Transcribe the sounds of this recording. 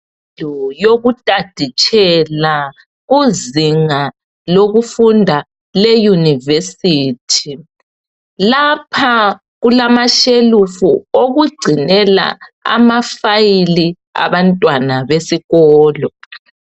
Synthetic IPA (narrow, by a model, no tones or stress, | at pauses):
ɔjoɣutʼad̥ʱit͡ʃʰʼɛla | ɣuzziŋa | loɣufundʱa | lɛjunivesiːtʰi | lapʰa | ɣulamaʃelufuoɣuɡ͡ǀʱinɛla̰a̰mafajili | a̰βantʼwanaβesiɣɔːlɔ